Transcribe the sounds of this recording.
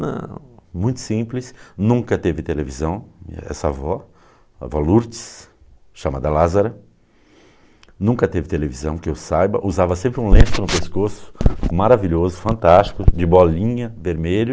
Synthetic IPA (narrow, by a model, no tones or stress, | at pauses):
nɐ̰̃mũj̃t̪ʊ̥sĩplɪsnũŋkɐt̪evɪt̪elevizɐ̃w̃ɛ̰sɐa̰vɔ | a̰vɔluɾt͡ʃɪ̥s | ʃamad̪ɐlazaɾɐ | nũŋkɐt̪evɪt̪elevizɐ̰̃w̃kɪewsajbɐ̰ʔuzavɐsẽmpɾɪũlẽsʊnʊpeskosʊ̥maɾaviʎozʊfɐ̃nt̪ast͡ʃi̥kʊd͡ʒɪbɔlĩɲɐveɾmeʎʊ